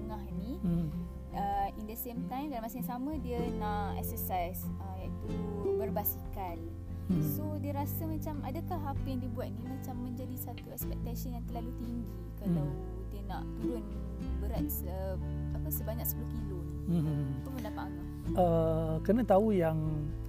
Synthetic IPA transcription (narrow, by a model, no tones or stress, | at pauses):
ŋãhnĩ | əindəsemt̪ãjmdaɾamasəjãŋsamə̃diənãʔɛ̰k̚səsajsəjaʔit̪ubərbasikan | sodiəɾasamat͡ʃamadəkaɦapəjaŋdiəbuat̪̚nimãt͡ʃamːə̃ɲd͡ʒadisat̪uɛkspɛk̚t̪asənjãŋt̪əlalut̪iŋɡikalaw | diənãʔt̪uɾʊn | bəɾat̪̚səapəsəbaɲak̚sə̥pulohkilo | apapundapãaka | əkənãt̪aujaŋ